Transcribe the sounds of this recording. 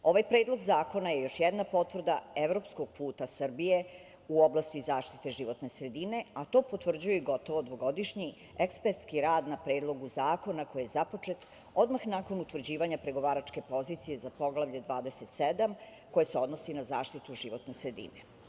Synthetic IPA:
o̞ʋajpɾeːd̪lˠo̞ɡzaːko̞naje̞jo̞ʃjɛd̪napo̞t̪vr̩d̪aevɾo̞psko̞ɡ̥̚pʰuːt̪asr̩bije | uoblˠast̪izaːʃt̪i̥t̪e̞ʒiʋo̞t̪ne̞sɾed̪ine̞at̪o̞ːpot̪ʋr̩d͡ʑujeɡo̞t̪o̞ʋod̪ʋo̞ɡo̞d̪iʃɲi | ekspeɾt̪skiɾaːd̪napɾe̞ːd̪lˠo̞ɡuzaːko̞nako̞jijezapo̞t͡ʂe̞t̪ | o̞d̪maxnaːko̞nut̪ʋr̩d͡ʑiːʋaɲapɾeɡo̞ʋaːɾat͡ʃke̞po̞zit̪sije̞zapo̞ɡlˠavʎed̪ʋaːd̪ese̞t̪sed̪am | ko̞jeseo̞d̪nosinazaːʃt̪it̪uʒiʋo̞t̪ne̞sɾe̞d̪ḭne

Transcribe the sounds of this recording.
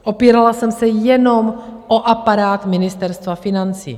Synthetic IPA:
ʔo̞piːɾalasɛmsɛjɛno̞mʔoʔapaɾaːt̪mɪnɪst̪ɛɾst̪vafɪnant͡sḭː

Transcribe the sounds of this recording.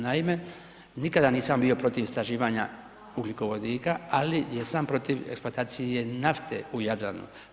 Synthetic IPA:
naime̞ | nikad̪aniːsambio̞pɾo̞t̪ist̪ɾaʒiːʋaɲa | uɡliko̞ʋo̞d̪iːkaalijesampɾo̞t̪iʋeksplˠoat̪aːt̪sije̞naft̪e̞̰ujad̪la̰nṵ

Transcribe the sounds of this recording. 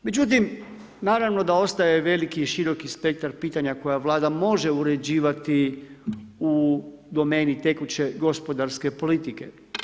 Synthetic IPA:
me̞d͡ʑut̪̬im | naːɾaʋno̞d̪ao̞st̪ajeʋe̞likiʃiɾo̞kispe̞k̚t̪aɾpiːt̪aɲako̞jaʋlaːd̪amo̞ʒe̞uɾe̞d͡ʑiːʋat̪i | ud̪o̞me̞ːnit̪e̞kut͡ɕe̞ɡo̞spo̞d̪aɾske̞po̞lit̪ike̞̰

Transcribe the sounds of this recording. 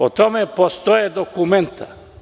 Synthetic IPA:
ot̪omepost̪ojed̪okument̪ʰa̰

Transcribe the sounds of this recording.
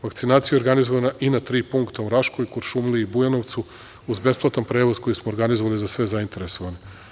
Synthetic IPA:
ʋakt̪sinaːt̪sijeo̞ɾɡanizoʋanaʔinat̪ɾiːpuŋkt̪auɾaʃkojkoɾʃumliːbujano̞ʋt̪su | uzbe̞splˠat̪anpɾeːʋozko̞jismooɾɡanizoʋalizasʋe̞zaint̪eɾe̞so̞ʋane

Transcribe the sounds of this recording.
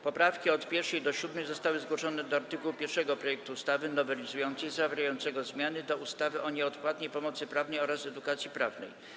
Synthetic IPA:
pɔpɾafkʲiɔt̪pʲjɛɾʂɛjd̪ɔɕud̪mɛjzɔst̪awɘzɡwɔʂɔnɛd̪ɔaɾt̪ɘkuwupʲjɛɾʂɛɡɔpɾɔjɛk̚t̪uːst̪avɘnɔvɛlʲizujɔnt̪sɛjzavʲɾajɔnt̪sɛɡɔzmʲjanɘd̪ɔust̪avɘʔɔɲɛɔt̪pwat̪ɲejpɔmɔt̪sɘpɾavnɛjɔɾasɛd̪ukat̪sʲjipɾavnɛ̰j

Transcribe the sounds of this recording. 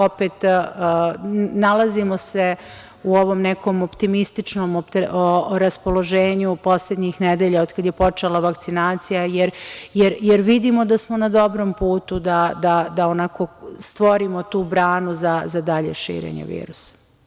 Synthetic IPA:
opeːt̪ː | nalazimo̞se | uo̞ʋo̞mneko̞mopt̪imist̪it͡ʃno̞ːmopt̪ɾaspolˠo̞ʒeːɲupo̞sled̪ɲixned̪eʎaod̪kad̪jepo̞t͡ʂelaʋakt̪sinaːt̪sijajeɾjeɾjeɾʋid̪imod̪asmo̞nad̪o̞bɾo̞mpuːt̪ud̪ad̪ad̪aonaːko̞st̪ʋo̞ɾimot̪uːbɾaːnuzazad̪aʎḛʃḭːɾḛɲḛʋḭːɾusḁ

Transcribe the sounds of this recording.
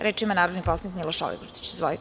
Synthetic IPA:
ɾʔeːʈ͡ʂimanaːɾod̪niposanikmilˠoʃɔ̰lḭbuɾt̪i̥t͡ɕzʋoi

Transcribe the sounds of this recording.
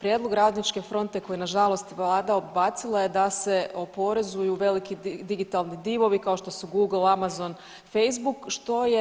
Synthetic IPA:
pɾje̞d̪lˠo̞ɡɾaːd̪nit͡ʃke̞fɾo̞nt̪e̞kojinaʒalˠo̞st̪ʋlˠaːd̪aobbaːt̪silˠaje̞d̪ase̞o̞po̞ɾezujuʋe̞likid̪iɡit̪alˠnid̪iʋo̞ʋikao̞ʃt̪o̞suɡuːɡl̩ˠamazo̞n | fe̞js̬bukʃt̪o̞je

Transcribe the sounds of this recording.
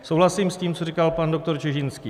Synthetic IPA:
sowɦlasiːmsciːmt͡sorikalpando̞k̚t̪oɾt͡ʃɛʒɪnskiː

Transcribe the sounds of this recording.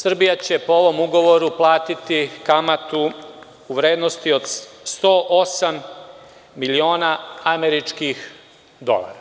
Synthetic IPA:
sr̩bijat͡ɕe̞poo̞ʋo̞muɡo̞ʋo̞ɾuplˠaːt̪it̪ikamat̪uː | ʋɾe̞ːd̪nost̪io̞d̪st̪oːʔo̞samː | ilio̞ːnaameɾit͡ʃkix | d̪o̞̰la̰ːɾa

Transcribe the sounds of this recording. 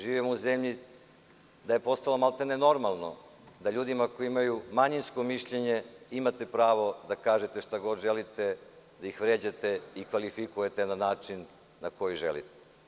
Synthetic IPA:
ʒiːʋimouzemʎi | d̪aje̞po̞st̪alo̞malˠt̪eneno̞ɾmalˠno̰ | d̪aʎuːd̪imakojiimajumaɲinsko̞miʃʎeɲeimat̪e̞pɾaːʋo̞d̪akaːʒet̪eʃt̪aɡo̞d̪ʒelit̪e | d̪aixʋɾeːd͡ʑat̪eikʋalifikuje̞t̪enanaːt͡ʃinː | ako̞jiʒḛlḭt̪e̥

